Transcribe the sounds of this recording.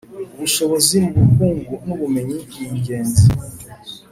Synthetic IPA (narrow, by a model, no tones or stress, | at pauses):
βuʃo̞βo̞zimuβukuːŋɡunuβume̞ɲiijiɲɟe̞ːnzi